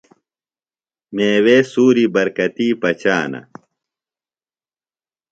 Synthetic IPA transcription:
meːweːsuːɾibɐɾkɐt̪iːpɐt͡ɕaːnɐ̰

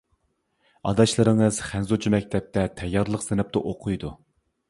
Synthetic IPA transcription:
ɑ̰d̪ɑʃlˠɨɾɨŋɨz̥χænzut͡ʃʰimɛk̚ʲt̪ʰɛp̚t̪ʰɛt̪ʰɛjːɑɾlˠəqsenɨp̚t̪ɨʔoqʰʊjd̪u

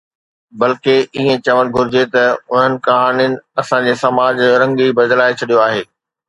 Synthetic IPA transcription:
bɐlkeʔiɦẽt͡ɕɐʋəɽɡʱʊɾɪd͡ʑet̪ɐʊn̤ənɪ̆kɐɦaːniɪnɪ̆ɐsãd͡ʑeːsɐmaːd͡ʑɾɐ̃ŋɡibɐd̪laːet͡ɕʰɐɗijoaːɦeː

